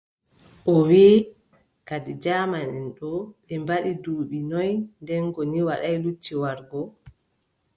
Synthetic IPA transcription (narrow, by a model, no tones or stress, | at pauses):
ʔɔwiː | kadid͡ʒaːmanɛnɗɔɓɛmbaɗiduːɓinɔjndɛnɡoniwaɗajlut͡ʃːiwaɾɡɔ